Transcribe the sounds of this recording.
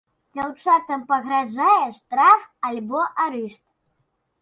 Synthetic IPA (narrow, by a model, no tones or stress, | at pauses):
d͡zʲawt͡ʂat̪ɐmpɐɣɾaʐajɛʂt̪ɾafalʲbɔʔaɾɨʂt̪̚